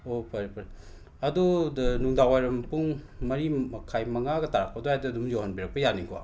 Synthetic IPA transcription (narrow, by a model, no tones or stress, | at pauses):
opɐɾipɐɾi | ɐdunuŋdawajɾɐmpuŋmɐɾiɐkʰajmɐŋaɡɐtaɾak̚pʰɐdohajdɐːdumjoɦanbiɾɐk̚pɐjaniɡo